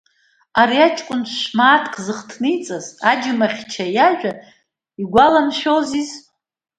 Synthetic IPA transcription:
aɾiat͡ʃʼkʷʼʊnʃmaːtʰkʰʼzɨχtʰnɨjt͡sʼazad͡ʒɪmaχʲt͡ʃʰajaʒᶣa | iɡʷalamʃᶣoziz

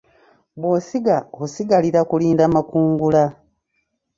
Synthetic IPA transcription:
bwoːsiɡausiɡaliɾakuliːndaːmakuːŋɡula

